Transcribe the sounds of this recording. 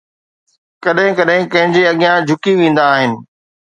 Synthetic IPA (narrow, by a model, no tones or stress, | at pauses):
kɐɗɦɪ̃kɐɗɦɪ̃kɐ̃ɦɪ̃ɲd͡ʑeɐɠɪjãd͡ʑʱʊkiʋẽːn̆d̪aːɦɪnɪ̆